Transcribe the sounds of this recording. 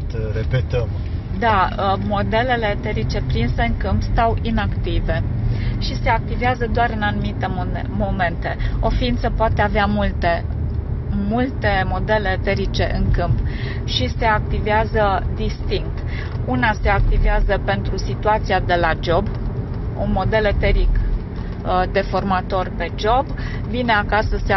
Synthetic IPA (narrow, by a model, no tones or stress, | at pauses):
t̪ɾepet̪əm | d̪amo̞d̪e̞le̞le̞t̪eɾit͡ʃe̞pɾinse̞ɨŋkɨmpst̪awʔinakt̪ive̞ʃise̞ak̚t̪iveazəd̪oaɾɨnanumit̪e̞ | mo̞me̞nt̪e̞o̞fiint̪səpoat̪e̞aveamult̪e | mult̪e̞mo̞d̪e̞le̞t̪e̞ɾit͡ʃe̞ʔɨŋkɨmp | ʃise̞ak̚t̪iveazəd̪ist̪iŋk̚t̪ | unase̞ak̚t̪iveazəpe̞nt̪ɾusit̪uat̪sijad̪e̞lad͡ʒo̞b | omo̞d̪e̞lət̪eɾik | d̪e̞fo̞rmat̪o̞rpe̞d͡ʒo̞b | vine̞akasəse